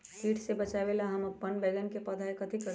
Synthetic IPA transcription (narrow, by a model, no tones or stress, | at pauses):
kiːʈʰsebɐt͡ʃaːʋelaɦɐmɐpːənbɛːɡənkepɐd̪ʱaːekɐd̪ʱikə